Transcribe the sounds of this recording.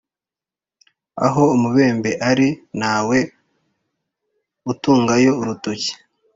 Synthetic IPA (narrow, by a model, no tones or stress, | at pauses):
a̰ɦo̞umuβe̞ːmbe̞ʔaɾinaːwe̞ | utuːŋɡajo̞uɾutoci̥